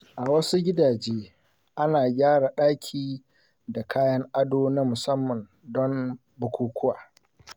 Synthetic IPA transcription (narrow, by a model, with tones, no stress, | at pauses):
ʔa˨wɐ˦su˦ɡʲɪ˦daː˨d͡ʒeː˦ | ʔa˦naː˨ɡʲaː˦ɽa˨ɗaː˦kʲʰiː˨ | da˨kʰaː˦jɐ˦ŋʔa˦doː˦na˦mʊ˨sɐ˦mːɐ˨n | dɔ˦m | bʊ˨kʷʰuː˨kʷʰʊ˦waː˨